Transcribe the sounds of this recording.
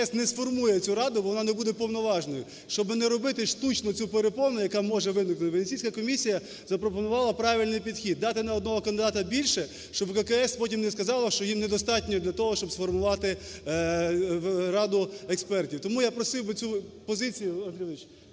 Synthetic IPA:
ɛsnɛsfɔrmujɛt͡sʲuɾɑd̪ʊbɔʋɔnɑnebud̪ɛpɔwnɔʋɑʒnɔjʊ | ʃt͡ʃɔbɪnɛɾɔbɪt̪ɪʃt̪ut͡ʃnɔt͡sʲupeɾepɔnʊjɐkɑmɔʒɛʋɪnɪknʊt̪ɪbnet͡sʲijsʲkɐkɔmʲisʲijɐ | zɐpɾɔpɔnʊʋɑlˠɐpɾɑʋʲilʲnɪjpʲid̪xʲid̪ːɑt̪ɪnɐɔd̪nɔɦɔkɐnd̪ɪd̪ɑt̪ɐbʲilʲʃɛ | ʃt͡ʃɔbkɐkɛɛspɔtʲimnɛskɐzɑlˠɐʃt͡ʃɔjimned̪ɔst̪ɑtʲnʲɔd̪lʲɐt̪ɔɦɔʃt͡ʃɔbsfɔrmʊʋɑt̪ɪ | ɾɑd̪ʊekspɛrtʲiwt̪ɔmujapɾɔsɪwbɪt͡sʲupɔzɪt͡sʲijʊɐnd̪ɾʲiɪt͡ʃ

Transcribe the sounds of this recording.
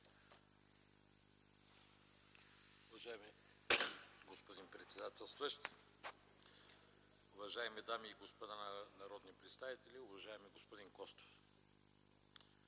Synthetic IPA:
ʊvɐʒaɛmi | ɡospod̪inpɾɛt̪sɛd̪at̪ɛlˠst̪vəʃt̪ | ʊvɐʒaɛmid̪amiːɡospod̪annɐɾɔd̪nipɾɛt̪st̪avit̪ɛlʲiʊvɐʒaɛmiɡospod̪inkɔst̪o̥f

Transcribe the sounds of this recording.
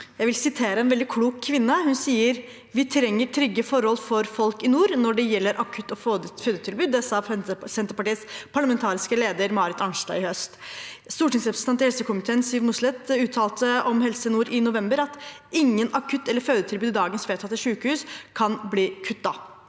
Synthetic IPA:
jæɪʋɪlsɪt̪ʰeːɾəɛːnʋɛld̪ɪkʰluːkkʰːʋɪnːəhʉnsiːəɾ | ʋɪt̪ʰɾɛŋːəʈʰɾʏɡːəfɔɾhɔlfɔɾfɔlkɪnuːɾnɔɖɛjɛlːəɾʔɑkʰʉt̪ːɔfføːd̪ət̪ʰɪlbʉːd̪ɛsɑsɛnt̪əpɑʈiːəspʰɑɭəmɛnt̪ʰɑːɾɪskəleːd̪əɾmɑːɾɪt̪ɑŋʂɖɑ̰ɪhœst̪st̪uːʈɪŋsɾɛpɾəsʰɛnt̪ɪhɛlsəkʰʊmɪt̪ʰeːnsiːʋmʊslɛt̪ʉːt̪ʰɑːlt̪əʔɔmhɛlsəɪnuːɾɪnʊʋɛmbəɾɑt̪ | ɪŋːənɑkʰʉt̪ːɛlːəɾføːd̪ət̪ʰɪlbʉːd̪ɪd̪ɑːɡənsʋeːt̪ɑt̪ːɛʂʉːkəhʉːskʰɑnbliːkʰʉt̪̚ːd̪ɑ

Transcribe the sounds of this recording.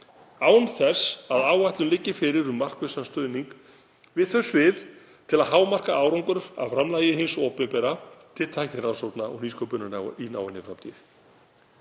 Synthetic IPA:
aːwnθɛsaðaːwajt̪lʏnlɪcːɪfɪɾɪɾʏmːar̥kvʏsanst̪œɥðniŋk | vɪðθœsːvɪð | t̪ʰɪlaðɦaːwmar̥kaʔaːwɾɔwŋkʏɾʏɾa̰ðfɾamlaːjɪɦɪnsɔːpɪmpɛɾat̪ʰɪlt̪ʰajhknɪɾansowt̪naɔ̰ɣniːskɔpʏnːʏnaw̰ina̰ːwɪnːɪfɾamt̪ʰiɪɾ̥

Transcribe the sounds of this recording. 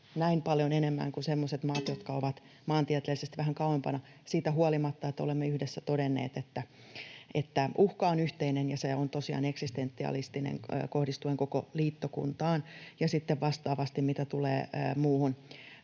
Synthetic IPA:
næimpɑljonenemːæ̰ŋkunsemːoset̪mɑːt̪jot̪kɑoʋɑt̪ | mɑːnt̪iæt̪elːisest̪ʋæɦæŋkɑuwempɑnɑ | siːt̪æɦuolimɑt̪ːɑet̪ːæo̰lemːeyhdesːæt̪odenːḛːt̪et̪ːæ | et̪ːæʔuhkɑonyht̪einenjɑseont̪osiɑ̰ːneksist̪ent̪ːiɑ̰list̪inḛŋːkohdist̪ueŋkokoliːt̪ːokṵnt̪ɑːnjɑsit̪ːeʋʋɑst̪ɑːʋɑst̪immit̪æt̪ulḛːmuːhun

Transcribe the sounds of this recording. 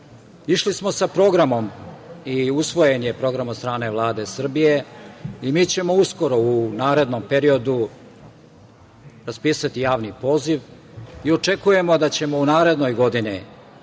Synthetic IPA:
iʃlismo̞sapɾo̞ɡɾamo̞miusʋo̞jenijepɾo̞ɡɾamot̪st̪ɾaːne̞ʋlˠaːd̪e̞sr̩bije̞imiːt͡ɕe̞mo̞usko̞ɾo̞unaːɾe̞d̪no̞mpe̞ɾio̞d̪u | ɾaspiːsat̪ijaːʋnipo̞ːziʋ | io̞t͡ʂe̞kuje̞mo̞d̪at͡ɕe̞mo̞unaːɾe̞d̪nojɡo̞d̪ini

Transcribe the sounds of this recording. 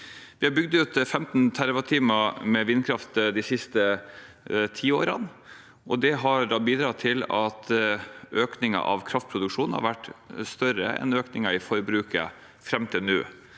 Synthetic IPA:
ʋɪhɑbʏɡ̚d̪ʉːt̪fɛmt̪n̩t̪ʰæɾʋɑt̪ʰiːmɑmɛʋɪnkʰɾɑft̪d̪ɪsɪst̪ə | t̪ʰiːoːɾɑn | ʔɔd̪ɛɦɑɾɖ̪ɑːbiːd̪ɾɑːt̪ʰɪlɑt̪ʔøːknɪŋɑ̰ʔɑ̰ʋkʰɾɑft̪̚pʰɾʊd̪ʉkʂuːn̩hɑ̰ɾʋæʈːst̪œɾə̰ɛ̰nøːknɪŋɑɪfɔɾbɾʉːkə̰ | fɾɛmːt̪ʰɪlnʉ̰ː

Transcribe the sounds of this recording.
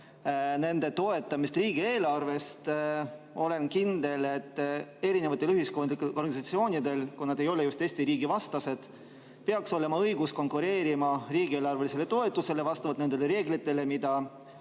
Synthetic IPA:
ne̞nd̪̥e̞t̪o̞e̞t̪ːˑɑmist̪riːɡie̞ːlɑrve̞st̪ | o̞le̞nkind̪e̞le̞t̪ːe̞ɾinevɑt̪ːˑelyɦiskonikorɡɑnsɑt̪sio̞ːnʲid̪e̞lkunɑd̪e̞jo̞lejust̪eːsʲt̪iɾiːɡivɑst̪ɑse̞d̪̥ | pe̞ɑkso̞le̞mɑɤjɡusko̞ŋkuɾe̞ːɾimɑɾiːɡ̥ie̞ːlɑrvelise̞le̞t̪o̞e̞t̪ˑːuse̞le̞vɑst̪ɑvɑt̪ne̞nd̪̥eleɾe̞ːɡlit̪ːˑe̞le̞mid̪̥ɑ

